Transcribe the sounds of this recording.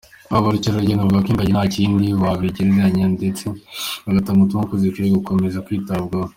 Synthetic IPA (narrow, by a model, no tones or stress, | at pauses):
aβaɾucaɾaɟenaβɡakiŋɡaɟinhaːciːndiβaβiɟiɾizaɲandet͡seaɡatamutumakuzikiɾeɡuko̞me̞zakwiːtabɡa